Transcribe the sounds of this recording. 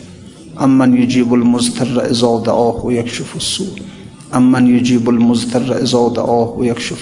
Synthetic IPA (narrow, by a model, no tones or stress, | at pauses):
ʔamːanjʊd͡ʒiːbalmʊzt̪ʰarˤːa̰ʔɪzɑːd̪a̰ʔaːhwajakʃʊfasːuːʔ | ʔamːanjʊd͡ʒiːbalmʊzt̪ʰar̰ˤːʔɪzɑːd̪a̰ʔaːhwajakʃʊf